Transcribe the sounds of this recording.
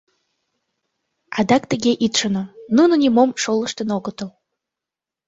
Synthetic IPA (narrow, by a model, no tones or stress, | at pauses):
ɑd̪ɑkt̪əɣeʔit̪ʃənonunonʲimomʃolə̆ʃt̪ənoɣət̪əl